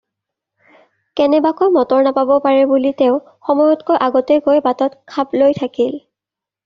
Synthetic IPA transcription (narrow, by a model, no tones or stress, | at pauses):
kɛnɛbakojmɔtɔɹnapabɔpaɹɛbuliteʊ | xɔmɔjɔtkojʔaɡɔtɛɡojbatɔtkʰaplojtʰakil